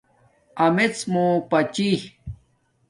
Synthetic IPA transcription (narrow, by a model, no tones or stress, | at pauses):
ɐmet͡smopɐt͡ɕih